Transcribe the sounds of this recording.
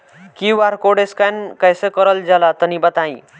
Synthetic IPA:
kiʋaɾkoɽeskankajsekɔɾəld͡ʑalat̪ənibat̪ãĩ

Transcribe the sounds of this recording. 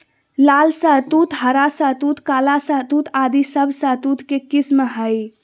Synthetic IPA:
lalsət̪ut̪ɦəɾasət̪ut̪kalasət̪ut̪ʰad̪isəbʱsət̪ut̪kekismɦəj

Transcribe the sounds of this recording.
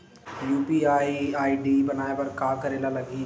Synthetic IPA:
juːpiaːiaːiɖibɐnaːepɐɾkaːkɐɾeːlalɐɡi

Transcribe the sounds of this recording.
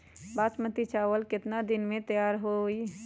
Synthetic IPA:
baːt͡ʃmət̪it͡ʃaːʋəlkɪt̪nad̪ɪnmẽt̪əjaːɾɦoi

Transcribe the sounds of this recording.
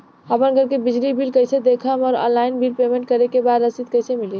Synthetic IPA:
əpənɡʱəɾkebid͡ʒlibilkəjsed̪ekʰəmɔɾɔ̰̃nlaɪnbʱilpɾemeɳʈkəɾekebad̪ɾəsit̪̚kəjsemili

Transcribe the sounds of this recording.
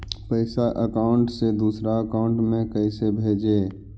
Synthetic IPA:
pəɪsaʔəkaːʊɳʈsed̪uːsɾaəkaːʊ̃ɳʈmẽkəɪsebʱeːd͡ʒeː

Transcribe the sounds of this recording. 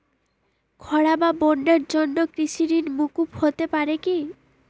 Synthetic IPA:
kʰɔɽababoɳɖaɾd͡ʒɔnːɔkɾisiɾinmukuphot̪epaɾeki

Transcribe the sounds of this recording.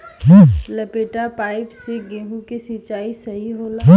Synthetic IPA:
ɦlɐpeːʈapaːɪpseɡẽːɦukesɪt͡ʃaːisɐɦiɦoːlã

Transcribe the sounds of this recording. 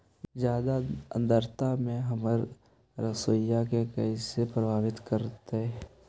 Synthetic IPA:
d͡ʒjaːd̪ad̪əɾt̪amẽɦəməɾ | ɾəsojakekəisepɾəbʱaːʋɪt̪kəɾt̪eɦɛː

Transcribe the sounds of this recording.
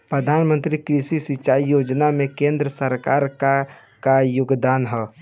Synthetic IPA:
pɾəd̪ʱaːnmə̃nt̪ɾikɾisisit͡ʃaːijoːd͡ʒnamẽkẽːnd̪ɾəsəɾkaːɾka | kajʊɡd̪aːnɦɛ

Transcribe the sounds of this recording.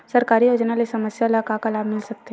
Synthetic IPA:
sɐɾkaːɾijoːd͡ʒnalesɐməsjalakakalaːbmɪlsɐk̚t̪e

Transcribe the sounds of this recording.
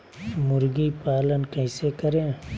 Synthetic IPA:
mʊɾɡipaːlənkəɪ̃sekəɾẽː

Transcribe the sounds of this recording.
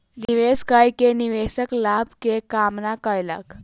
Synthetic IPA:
niʋeskajkeniʋesəklabkekamnakajla̰k

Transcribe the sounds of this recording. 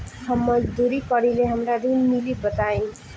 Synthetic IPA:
hʰʌmːʌd̪uɾikʌɽileɦamɾad̪inmilibʌt̪aj̃

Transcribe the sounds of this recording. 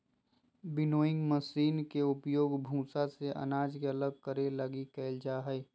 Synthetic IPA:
bɪnoːɪ̃ŋɡməsiːnkeʊpjoːɡbʱũːsaseʔɐ̰naːd͡ʒkeɐləɡ̚kəɾeləɡikɛɪld͡ʒaːɦɛi

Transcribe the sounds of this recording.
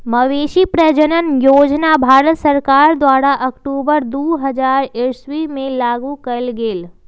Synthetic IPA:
mɐʋeːʃipɾəd͡ʒənənjoːd͡ʒnabʱaːɾət̪sɐɾkaːɾd̪ʋaːɽaʔɐkʈuːbəɾd̪uːɦɐd͡ʒaːɾeːsʋimẽlaːɡukɐəlɡeːl

